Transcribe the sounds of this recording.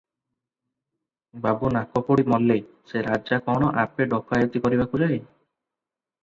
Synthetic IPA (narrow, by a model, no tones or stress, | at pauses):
babunakɔpɔɽimɔlːe | seɾad͡ʒakɔɽ̃ɔʔapeɖɔkajɔt̪ikɔɾibakud͡ʒaɦe